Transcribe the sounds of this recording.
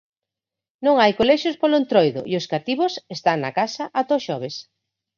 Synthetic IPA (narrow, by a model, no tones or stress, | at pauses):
nõŋajkolɛʃospoloent̪ɾɔjðʊ̰ʔioskat̪iβosest̪aŋna̰kasɐʔat̪oʃɔβ̞es